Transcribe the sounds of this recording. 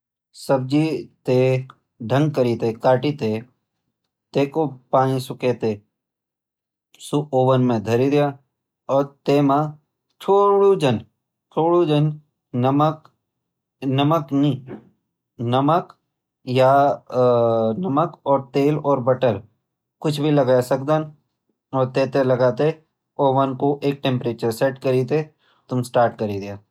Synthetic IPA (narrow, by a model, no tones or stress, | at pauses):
səb̚d͡ʒit̪eː | ɖʱə̃ŋɡ̚kəɾiːt̪ekaːʈit̪e | t̪eːkopaːnĩsʊkeːt̪eː | suʔoːʋənmẽd̪ʱɐɾid̪ɪjaː | ɔːɾt̪eːmã | t͡ʃʰoːɽud͡ʒən | t͡ʃʰoːɽud͡ʒən | mək | nɐməknĩː | nɐmək | ja | nɐməkɔːɾt̪eːlɔːɾbɐʈəɾ | kʊt͡ʃʰbʱilɐɡajsɐk̚d̪an | ɔːɾt̪eːt̪elɐɡaːt̪e | oːʋənkoʔeːk̚ʈẽːmpɾeːt͡ʃəɾseʈkɐɾiːt̪e | t̪ʊmsʈaːɾʈkɐɾid̪ɪjaː